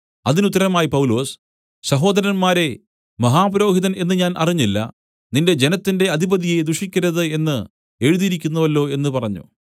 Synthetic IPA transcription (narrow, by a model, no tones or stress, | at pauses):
ɐðinut̪ːɐɾɐmaːjipɐwlo̞ːs | ɕɐɦo̞ːd̪ɐɾɐnmaːɾe̞ | mɐɦaːpɐɾo̞ːɦiðɐne̞nːɨɲaːnʔɐriɲːilːɐ̰ | ninde̞d͡ʑe̞nɐt̪ːinde̞ɐd̪ʱibɐðijed̪uʂikʲːɐɾɐðɨe̞nːɨ | e̞ːɻuðijiɾikʲːunːɐʋɐlːo̞ːe̞nːɨpɐrɐɲːṵ